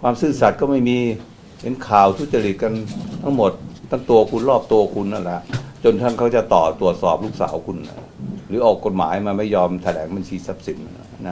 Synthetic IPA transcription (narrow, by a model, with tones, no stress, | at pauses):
kʰwaː˧msɯː˥˩sa˨˩t̪̚kɔː˥˩ma˥˩jmiː˧ | he˩˦nkʰaː˨˩wt̪ʰu˥t̪̚t͡ɕa˧li˨˩ka˧nt̪ʰa˥˩ŋmo˨˩t̪̚ːʰa˥˩ŋt̪u˧əɐkʰu˧nɾɔː˥˩p̚t̪u˧ɐkʰu˧nːa˧˩nlɛ˦˥ʔt͡ɕo˧nt̪ʰaː˥˩ŋkʰa˦˥˩wt͡ɕa˨˩t̪ɔː˨˩t̪u˨˩ət̪̚sɔː˨˩p̚luː˥˩k̚sa̰ː˩˦wkʰu˧nːa̰˧˥˩ɾɯː˩˦ʔɔː˨˩kːo˨˩t̪̚ma̰ː˩˦jmaː˧ma˥˩jːɔː˧mt̪ʰa˧lɛː˩˦ŋba˧nt͡ɕʰiː˧sa˦˥p̚si˩˦nːa˧˩˧na˦˥